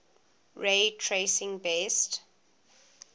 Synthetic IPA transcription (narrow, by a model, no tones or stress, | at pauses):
ɹetʰɹesɪ̃ŋbɛst